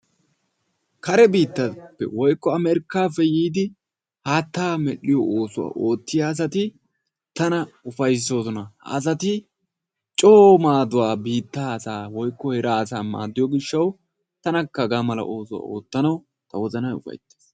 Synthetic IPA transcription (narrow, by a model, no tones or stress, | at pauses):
kɐɾɛbiːt̪ːɐpːɛ̰wɔjkːɔɐmɛɾɪkːaːfɛjiːd̪ɪ | haːt̪ːaːmɛɗɪjɔʔoːsʊwa̰ːʔo̞ːt̪ːɪjaːs̬ɐt̪ɪ | t̪ɐnɐʊfɐjs̬oːsɔnɐhɐ̰ːs̬ɐt̪ɪ | t͡ʃʼoːmaːd̪ʊwaːbiːt̪ːaːɐsaːwɔjkːɔhɛɾaːsaːma̰ːd̪ɪjɔɡɪʃːɐw | t̪ɐnɐkːɐɡamɐlɐ̰ʔo̞ːsʊwa̰ːo̞̰ːt̪ːɐnɐw | t̪ɐwɔzɐnɐjʊ̰fɐ̰jt̪ːe̥ːs